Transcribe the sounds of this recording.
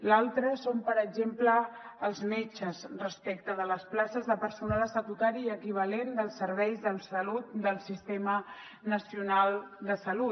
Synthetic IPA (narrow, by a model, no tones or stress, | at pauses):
lalˠt̪ɾəsompəɾəɡzempləːlˠzmet͡ʃəzrəspekt̪əðələsplasəzðəpəɾsunaləsət̪ut̪aɾiːəkiβ̞alend̪əlˠsəɾβ̞ɛjzðəmsəlut̪̚d̪əlˠsist̪emə | nəsiunalˠd̪əsəlu